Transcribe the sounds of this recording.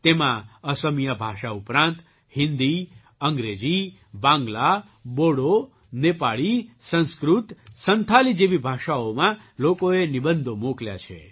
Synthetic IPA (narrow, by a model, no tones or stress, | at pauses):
t̪emãəsəmijabʱaʃaupɾãnt̪ | hɪnd̪i | əŋɡɾed͡ʒi | bãŋɡla | boɽo | nepaɭisə̃nskɾut̪sənt̪ʰalid͡ʒeʋibʱaʃaomã | lokoenibənd̪ʱomoklja̰t͡ʃʰḛ